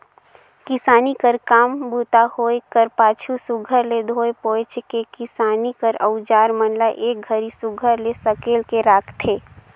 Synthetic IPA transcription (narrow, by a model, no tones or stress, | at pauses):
kɪsaːnikəɾkaːmbut̪ahoːekəɾpaːt͡ʃʰusʊɡʱəɾled̪ʱoːepoːt͡ʃkekɪsaːnikəɾəʊd͡ʒaːɾmənlaʔeːk̚ɡʱəɾisʊɡʱəɾlesəkeːlkeɾaːkʰt̪ʰeː